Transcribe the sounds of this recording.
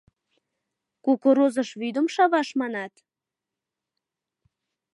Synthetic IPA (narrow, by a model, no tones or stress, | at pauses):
kukoɾozəʃβyd̪əmʃɑβɑʃmɑnɑt̪